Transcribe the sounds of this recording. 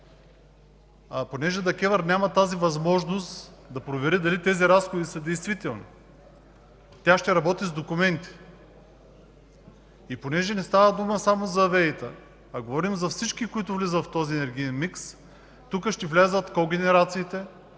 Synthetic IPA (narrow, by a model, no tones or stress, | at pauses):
aponɛʒɛd̪ɐkʲɛvəɾnʲamɐt̪azivɐzmɔʒnost̪d̪ɐpɾovɛɾid̪ɐlit̪ɛziɾasxod̪isɐd̪ɛjst̪vit̪ɛlˠnḭ | t̪ʲaʃt̪ɛɾɐbɔt̪izd̪okumɛnt̪i̥ | iponɛʒɛnɛst̪avɐd̪uməsamozɐːvɛit̪ə̰ | ɐɡovɔɾimzɐfsit͡ʃkikʊit̪ʊvlizət̪ft̪ɔziɛnɛɾɡʲiɛnmiks | t̪ukəʃt̪ɛvlʲazət̪koɡʲɛnɛɾat̪siːt̪ɛ